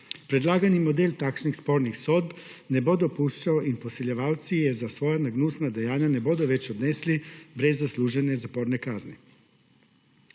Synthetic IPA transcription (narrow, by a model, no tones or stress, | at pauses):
pɾed̪laːɡanimo̞d̪elt̪akt͡ʃnixspo̞ɾnixso̞d̪̚bnebo̞d̪opuːʃt͡ɕaoʔinposeʎeʋaːwt̪sijezasʋo̞janaɡnusnad̪ejaːɲane̞bo̞d̪oʋe̞t͡ɕod̪neslibɾezːaslˠuːʒenezapo̞ːɾnekazni